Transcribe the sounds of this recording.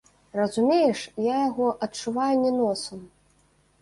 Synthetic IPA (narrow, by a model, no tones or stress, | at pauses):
rɐzumʲejɛʂjajaɣɔʔɐtt͡ʂːuvajunʲɛnɔsɐm